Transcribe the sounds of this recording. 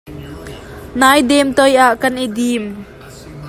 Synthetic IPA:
naːjd̪ɛmt̪ɔjaʔkɐnʔid̪im

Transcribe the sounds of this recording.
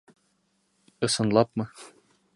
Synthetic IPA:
ɤ̆sɤ̆nlˠɑpmɤ

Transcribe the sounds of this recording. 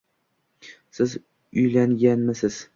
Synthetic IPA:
sɪz | ʊjlaŋɡʲanmɪsɪz̥

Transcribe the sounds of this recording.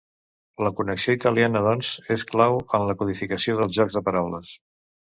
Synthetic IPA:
ləkunəksioit̪əlianəðɔnzesklawəmləkuðifikəsioðəlˠzʒɔɡzðəpəɾawləs

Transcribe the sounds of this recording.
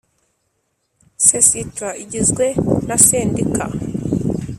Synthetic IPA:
sesitwaiɟizɡwenaseːndika̰

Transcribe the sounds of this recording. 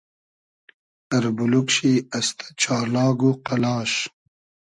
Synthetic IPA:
ɐɾbulukʃiɐst̪ʰḁt͡ʃɑːlɑːɡuqalɑːʃ

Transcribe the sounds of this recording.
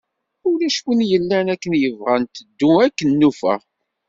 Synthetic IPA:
ʊlæʃwənjəlːænækːənjəvʁant̪əd̪ːuækːənːufæ̰

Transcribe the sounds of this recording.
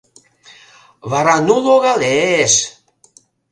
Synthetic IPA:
βaɾanuloɣales

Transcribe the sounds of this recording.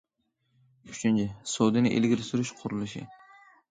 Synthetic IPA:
kʰʊ̥t͡ʃʰɪnt͡ʃɪsowd̪ɪnɪʔelɡʲɪɾɪsʊɾɪʃqʰʊɾɪlɪʃɪ̰

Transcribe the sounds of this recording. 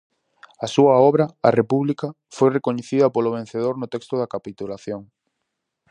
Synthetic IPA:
ɐsuɐɔβɾɐɐ̰repuβlikɐ | fojrekoɲeθiðɐpolʊβ̞ẽn̟θeð̞oɾnʊt̪ɛkst̪ʊðɐkapit̪ulaθjoŋ

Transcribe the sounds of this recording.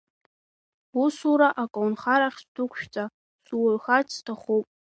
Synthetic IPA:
usuɾaʔakʼownχaɾaχʲsdʊkʷʰʃᶣt͡sʼa | suwʊrxatʼstʰaχupʼ

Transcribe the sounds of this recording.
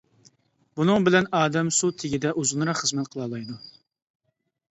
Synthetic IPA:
b̥unɨŋbɪlɛnɑːd̪ɛmsut̪ʰɪɡʲid̪ɛʔuzunɾɑqχəzmɛt̪̚qʰəlˠɑlˠɑjd̪u

